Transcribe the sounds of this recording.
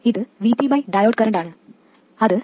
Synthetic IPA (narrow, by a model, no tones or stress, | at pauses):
iðɨʋipibɐjɖɐjoːɖkɐɾɐɳɖaːɳɨ | ɐðɨ